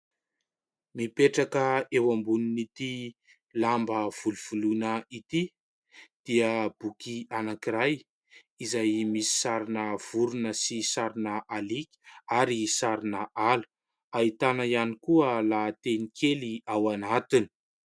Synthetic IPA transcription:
mipeʈ͡ʂakəewambuninit̪i | lambəv̥uluv̥ulunəit̪i | d̪̥iəb̥ukianakiɾaj | izajmisi̥saɾinəv̥uɾunəsisaɾinəʔalikʲi̥aɾisaɾinəʔalu̥ | ait̪anəjanikuəlat̪enikʰeliawanat̪ini̥

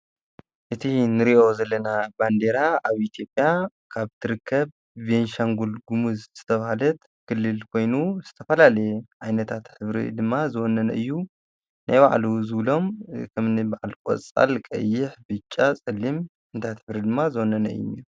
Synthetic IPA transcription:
ʔɨt̪ʰinɨɾiʔo̞zɐlːɐnaband̪e̞ɾaaβʔit̪ʰjo̞pʼːja | kʰaβt̪ʰɨɾɨkʰːɐβ | venʃaŋɡulɡumuzz̥ɨt̪ʰɐβahalɐt̪ | kʰɨlːɨlkʰo̞jnuz̥ɨt̪ʰɐfɐlalɐjʕajnɐt̪ʰat̪ħɨβɾḭd̪ɨmːazɨwɔnːɐnɐ̰ʔɨjːu | nʔa̰jβaʕluzɨβlo̞mkʰɐmnɨbaʕalkʼo̰t͡sʼa̰lkʼɐ̰jːɪħbɨt͡ʃʼːasʼɨlːim | ɨnt̪ʰajt̪ħɨβɾid̪ɨmːazɨwɔnːɐnɐɨ̰jːṵnːḭɾu

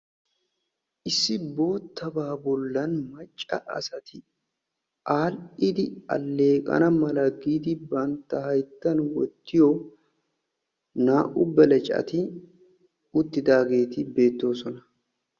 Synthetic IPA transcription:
ʔɪsːɪbo̞ːt̪ːɐbaːbʊlːɐnmɐt͡ʃʼːɐʔɐ̰sɐt̪ɪ | ʔaːlʔɪd̪ɪɐ̰lːe̞ːkʼɐ̰nɐmɐlɐɡiːd̪ɪbɐnt̪ːɐhɐjt̪ːɐnwɔ̰t̪ːɪjoː | naːʔʊbːɐlɐt͡ʃʼɐ̰t̪ɪ | ʊt̪ːɪd̪aːɡe̞ːt̪ɪbe̞ːt̪ːo̞ːsɔnɐ̥

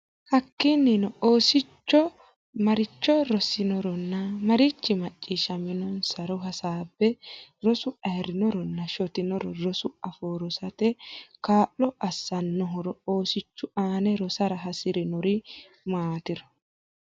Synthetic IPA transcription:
hɐkːɪnːɪnɔoːsɪt͡ʃːɔ | mɐɾɪt͡ʃːɔɾɔsɪnɔɾɔnːɐmɐɾɪt͡ʃːɪmɐt͡ʃʼːiːʃɐmɪnɔnsɐɾɔɦɐsaːbːɛɾɔsʊɐɛɾɪnɔɾɔnːɐʃɔt̪ɪnɔɾɔɾɔsʊɐfoːɾɔsɐt̪ɛkaːʔːɔʔɐsːɐnːɔɦɔɾɔoːsɪt͡ʃːʊʔaːnɛɾɔsɐɾɐɦɐsɪɾɪnɔɾɪ | maːt̪ɪɾɔ̥

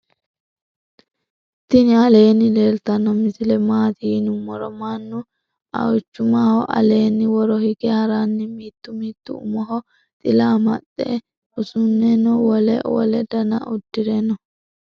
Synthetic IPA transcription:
t̪ːɪnɪɐle̞ːnːɪleːlt̪ɐnːɔmɪsɪlɛmaːt̪inʊmːɔɾɔmanːʊ | ɐ̰wɪt͡ʃːʊmaːhɔʔɐ̰le̞ːnːɪwɔɾɔhɪɡɛhɐɾanːɪmiːt̪ːʊmiːt̪ːʊʊmɔɦɔ | t̪ʼɪlaːmɐɗɛ̰ | ʊsʊnːɛnɔwɔlɛ̰wɔ̰lɛd̪ɐnɐ̰ʔʊd̪ːɪɾɛnɔ

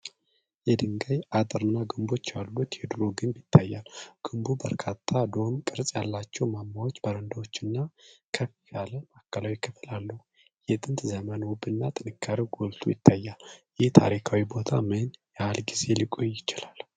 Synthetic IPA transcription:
jɛd̪ɨŋɡajʔat̪ʼɨɾɨnːaɡɨmbo̞t͡ʃːalːut̪jɛd̪ɨɾoɡɨnbjɪt̪ʰːajːalɡ̥ɨmbubəɾkʰat̪ʰːad̪o̞mkʼɨɾsʼjalːat͡ʃːɛwmamːawot͡ʃːbəɾənd̪awot͡ʃːɨnːakʰəfi̥tʰaləmakːəlawikʰəfɨlalːəhu | jɛt̪ʼɨnt̪zəmənwʊbɨnːat̪ʼɨnɨkʰːaɾiwɡolt̪ʰujɪt̪ʰːajːaljɪht̪ʰa̰ɾikʰawibo̞t̪ʰamɨnjalɡize̞likʼojːɪt͡ʃɪlal

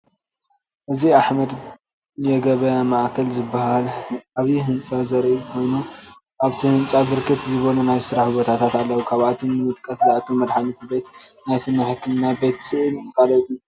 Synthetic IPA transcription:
ʔɨziaħmɐd̪ | jɛɡɐβɐmaʔkʰɐlzɨbːahalʔaβiɦɨnt͡sʼazɐɾikʰo̞jnu | ʔaβt̪ʰihɨnt͡sʼabɨɾkʰɨt̪zɨβonunajsɨɾaħɨbot̪ʰat̪ʰat̪alːɐwukʰaβat̪ʰumnɨmɨt̪kʼɐslaʕkʰɨmːɐd̪ħanɨt̪ʰibe̞t̪najsɨnːɐħkʰːɨmɨnːabe̞t̪sɨʔɨlkʰʼalɐt̪ʼju

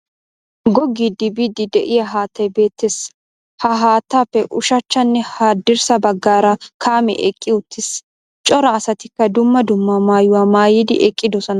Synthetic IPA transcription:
ɡɔɡːid̪ɪbiːd̪ɪd̪ɛʔɪjɐɦaːt̪ːɐjbe̞ːt̪ːeːs | hɐɦaːt̪ːaːpːɛʔʊʃɐt͡ʃːɐnːɛhaːd̪ːɪɾsɐbɐɡːaːɾɐkʰaːmɛ̰ʔɛkʼːɪʊt̪ːɪs | t͡ʃʼɔɾɐːsɐt̪ɪkːɐd̪ʊmːɐd̪ʊmːamaːjʊwaːmaːjid̪ɪʔɛkʼːɪd̪ɔsɔnɐ

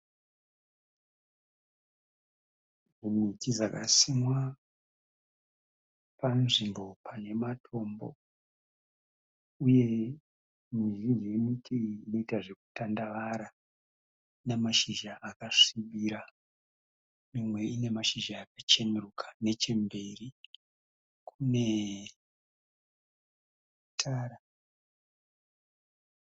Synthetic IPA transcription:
mumwitizakasimwa | panʐimbo̞pʰane̞matʰo̞mbo̞̰ | uje̞ | mirid͡ʒemitʰiːno̞itaʐe̞ku̥tandaʋaɾa | nemaʃiʒaʔːkaʂiɓiɾa | mimwe̞ine̞maʃiʒaːkat͡ʃe̞merukʰḁne̞t͡ʃe̞mbe̞ri | kʰune̞ | tʰaːɾa

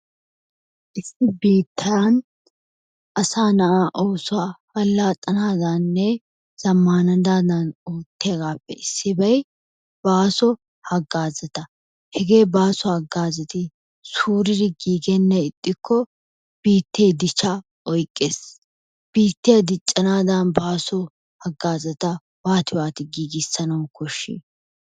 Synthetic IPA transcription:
ʔɪsːɪbiːt̪ʰːɐjan | ʔɐsaːnɐʔaːʔo̞ːsʊwaːhɐlːaːt̪ʼːɐnaːd̪anːɛ | z̥ɐmːaːnɐd̪aːd̪ɐnoːt̪ːɪjɐɡaːpːɛ̰ɪsːɪbɐj | b̥aːsɔ | hɐɡːaːzɛt̪ɐ | hɛɡe̞ːbaːsɔɐɡːaːzɐt̪ɪ | suːɾɪd̪ɪɡiːɡɛnːɛɪt̪ʼːɪkʰːɔ | b̥iːt̪ːeːd̪ɪt͡ʃːɐ | ɔjkʼːeːs | b̥iːt̪ːɪjɐd̪ɪt͡ʃʼːɐnaːd̪ɐnbaːsɔ | hɐɡːaːzɐt̪ɐ | waːt̪ɪwaːt̪ɪɡiːɡɪsːɐnɐwkʰɔʃːḭː

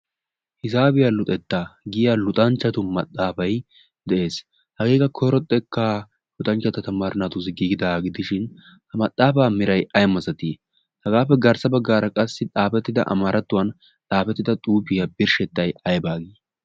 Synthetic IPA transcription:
hɪzaːbɪjalʊt̪ʼɛt̪ːaɡɪjalʊt̪ʼɐnt͡ʃːɐt̪ʊmɐt̪ʼːaːfɐj | d̪ɛʔe̞ːs | hɐɡeːkɐkʰɔjɾɔt̪ʼːɛkːa | lʊt̪ʼɐnt͡ʃːɐt̪ɐt̪ɐmaɾɪnat̪ʊzɪɡiːɡɪd̪aɡɪd̪ɪʃɪn | hɐmɐt̪ʼːaːfaːmɪɾɐjɐjmɐzɐt̪i | hɐɡaːfɛɡɐɾsɐbɐɡːaːɾɐkʼɐsːɪtʼaːfɛt̪ːɪd̪ɐ̰ʔɐ̰mɐɾʔɐt̪ːʊwɐn | t͡saːfɛt̪ːɪd̪ɐt̪ʼuːpɪjɐbɪɾʃɛt̪ːɐjɐjbaːɡi

